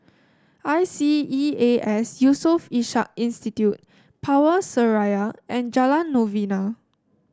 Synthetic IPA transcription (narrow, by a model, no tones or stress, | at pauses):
ajsiieʔɛsjusɔfiʃa̰k̚ĩnstitjut̚ | pʰawəsəɹajaʔɛ̃nd͡ʒalãnːovina